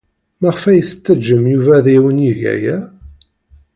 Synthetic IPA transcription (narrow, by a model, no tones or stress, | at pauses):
mæʁəfæjθə̥t͡sːəd͡ʒːəmjuvæðiwəniʝæ̰jæ